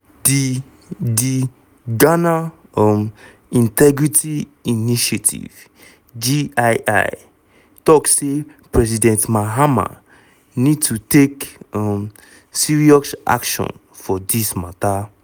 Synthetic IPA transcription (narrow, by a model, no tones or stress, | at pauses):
di | di | ɡana | ɔm | ĩntɛɡɹitʰiiniʃatʰḭv̥ | d͡ʒiajʔa̰ɪ | tɔksse | pɹɛs̬idɛ̃ntmaɦama̰ | nid̚tʰutekɔm | siɹiɔsʔa̰kʃɔ̰̃n | fɔdismata